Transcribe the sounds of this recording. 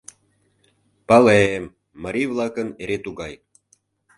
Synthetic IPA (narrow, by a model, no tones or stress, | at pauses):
pɑlemː | əɾivlɑkəneɾet̪uɣɑj